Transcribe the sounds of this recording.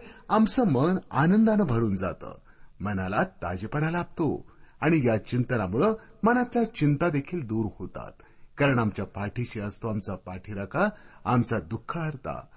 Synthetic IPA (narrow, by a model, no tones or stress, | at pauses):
amsəməna̰nənd̪anəbʱəɾuːnd͡zat̪ə̰ːmənalat̪ːa̰d͡ʑepəɳalab̚t̪oaɽ̃ijat͡ɕint̪ənamuɭəmənat͡sat͡ɕint̪ad̪ekʰiːld̪uːɾhot̪a̰t̪ | kaɾəɳamt͡ɕjapaʈʰiɕeəst̪oamt͡sapaʈʰiɾakʰaːmt͡sad̪ukʰːaɦəɾt̪a̰